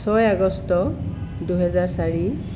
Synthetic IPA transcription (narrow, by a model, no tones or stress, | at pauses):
sɔjaɡɔstɔduɦɛzaɹsaɹi